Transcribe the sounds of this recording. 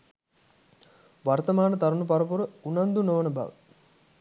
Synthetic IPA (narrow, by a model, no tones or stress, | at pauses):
ʋart̪əmaːnət̪aɾunup̬aɾəpuɾəunand̪unoʋənəba̰ʋə̰